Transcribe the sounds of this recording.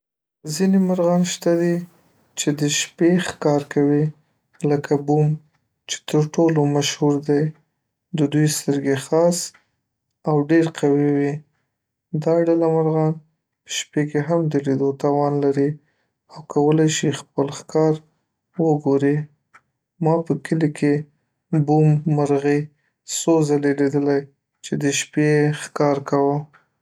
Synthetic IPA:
zinemaɾɣɑnʃt̪ad̪i | t͡ʃed̪əʃpexkɑɾkawi | ləkʰabum | t͡ʃe̥t̪əɾʈolomaʃhuɾd̪aj | d̪əd̪ujst̪əɾɡexɑs | awɖeɾqawiwi | d̪ɑɖalamaɾɣɑn | pə̥ʃpekeɦamd̪əlid̪ot̪ɑwɑnlaɾi | awkʰawəlajʃixpəlxkɑɾ | wəɡoɾi | mɑpəkəlikʰe | bumːaɾɣi | sozaleled̪əlaj | t͡ʃed̪əʃpexkɑɾkawə

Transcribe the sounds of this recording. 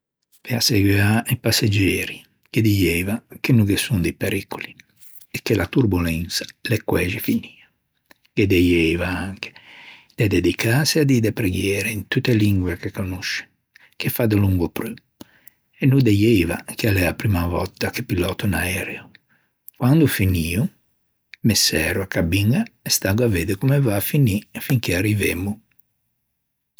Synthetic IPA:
peaseɡweaipasːed͡ʒɛːɾi | ked̪ijɛːvakenːuɡesund̪epeɾikoli | ekːelat̪uɾbulɛnt̪sḁlekːwɛːʒefiniːa | ked̪ejevaaŋke̥ | d̪̥ed̪ed̪ikasead̪id̪epɾeɡjɛːɾeint̪ut̪ːeliŋɡwekekːonuʃe̥ | kefad̪eluŋɡopɾø | ɛnːud̪ejejva̰kealɛapɾimavɔ̰t̪ːakepilɔːt̪unaɛːɾɛo | kwand̪ufiniːu | mesːɛ̰ːɾuakabiŋɡaɛst̪aɡaveːd̪ekumevaːfinifiŋkearːivemːu

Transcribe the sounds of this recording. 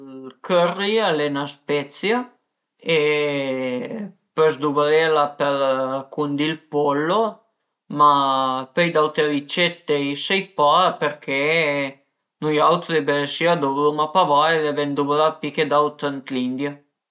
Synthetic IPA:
kʰørːialɛnaspɛt̪sja | e | pøzd̪uvəlelapelkund̪ilpɔlːo | mapejd̪awt̪elit͡ʃɛt̪ːejsejpapeɾkʰe | nujawt̪d̪ebesiad̪uvlumapavaedevɛnd̪uvəlapiked̪awt̪ənt̪lind̪ja

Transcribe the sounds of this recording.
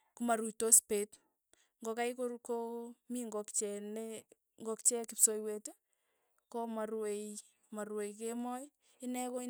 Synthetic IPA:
kumaɾut͡ʃtospet | ŋɡokajkokomiŋɡokt͡ʃɛne | ŋɡokt͡ʃɛkɪpsojwet | komaɾwej | maɾwejk̬emɔj | ɪnɛko

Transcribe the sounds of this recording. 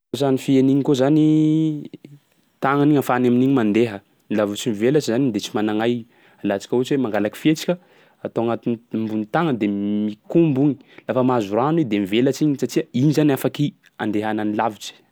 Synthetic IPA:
zanifieniɲikozani | t̪aŋaniɲafanaminiɲimand̪eɦə | nilavut͡ʃimivelat͡ʃizanind̪et͡ʃi̥manaŋaj | alat͡si̥kʲəut͡ʃwemaŋɡalaki̥fiet͡ʃi̥kʲə | at̪oaŋat̪inimbunit̪aŋəd̪emikumbuɲi̥lafəmazuranwed̪emivelat͡ʃiɲisatiəinizanafaki | a̰nd̪eɦananilavut͡ʃi̥

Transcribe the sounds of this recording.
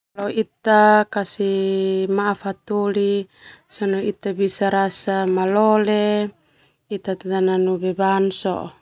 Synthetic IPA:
lɔit̪akasimaːfat̪olisɔnɔit̪abisaɾasamalɔle | it̪at̪at̪ananubɛbansɔ̰ʔ

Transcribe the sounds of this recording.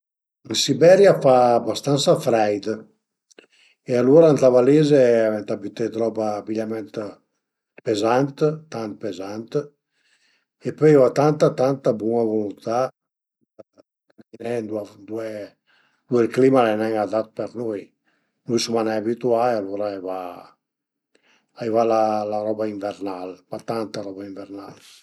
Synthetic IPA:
insibɛɾjafaːbast̪ansafɾɛjd̪ə | ealoɾant̪avalezeavɛnt̪abit̪et̪ɾɔbaːbiʎamɛnt̪ | pezant̪t̪ant̪̚pezant̪ə | epøjat̪ant̪at̪ant̪abɔŋavolunt̪a | nɛnd̪uad̪uɛ | d̪uɛlklimalɛnɛŋad̪at̪̚pɛɾnuj | nujsumanɛabit̪uaealɔɾajva | ajvalalaɾɔbaiɱvɛɾnalbat̪ant̪aɾɔbaiɱvɛɾnal

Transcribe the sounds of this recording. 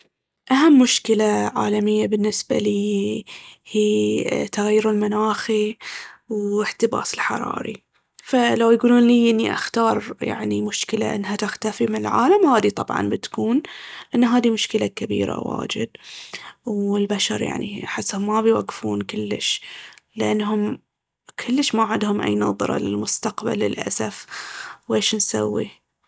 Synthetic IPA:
ʔaɦamːʊʃkɪlaʕa̰ːlamɪjːabɪnːɪsba̰liː | hiːt̪aɣajːʊɾɪlmanaːxi | wɪħt̪ɪba̰ːsɪlħɑ̰ɾˤɑ̰ːɾḭ | falawjɡuːluːnliːʔɪnːiʔaxt̪ɑːɾˤja̰ʕnimʊʃkɪla̰ʔɪ̰nːɦat̪ɪxt̪afimɪnɪlʕaːlamhaːd̪it̪ˤɑbʕɑ̰nbɪt̪kuːnʔanːɦaːd̪imʊʃkɪlakabḭːɾa̰wa̰ːd͡ʒɪd̪̚ | wɪlbaʃɑɾˤja̰ʕniħɪsːhʊmːabɪjwaɡːfuːnkɪlːɪ̰ʃlɪʔanːɦʊm | kʰʊlːəʃmaʕɪd̪hʊmʔa̰jnɑːðˤɨɾˤɑ̰lɪlmʊst̪aqba̰lːɪ̰lʔa̰safweːʃnsawːḭ

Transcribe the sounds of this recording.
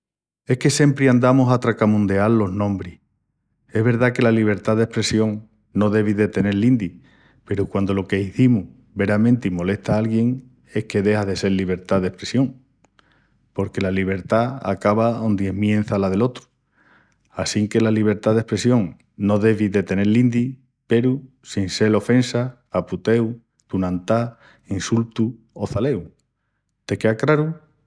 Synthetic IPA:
e̞hke̞se̞mpɾiand̪amosat̪ɾakamũnd̪ealːo̞ɦnõ̞mbɾih | e̞ɦβe̞ɾðake̞laliβ̞e̞ɾt̪aðe̞hpɾe̞sjo̞ŋ | no̞ðe̞β̞iðe̞t̪e̞ne̞ɾlːind̪i | pe̞ɾukwand̪o̞lo̞ke̞iθimuh | βe̞ɾamẽ̞nt̪imo̞le̞ht̪aalɣje̞ŋ | e̞hke̞ðe̞haðe̞se̞ɾliβ̞e̞ɾt̪aðe̞hpɾe̞sjo̞ŋ | po̞ɾke̞laliβ̞e̞ɾt̪aa̰kaβaond̪je̞hmjẽ̞n̟θalaðe̞lo̞t̪ɾu̥ | asiŋke̞laliβ̞e̞ɾt̪aðe̞hpɾe̞sjo̞ŋ | no̞ðe̞βiðe̞t̪e̞ne̞ɾlind̪i | pe̞ɾu | sinse̞lo̞fe̞nsaː | put̪e̞w | t̪unãnt̪a | insult̪u | o̞θale̞w | t̪e̞keakɾaɾu

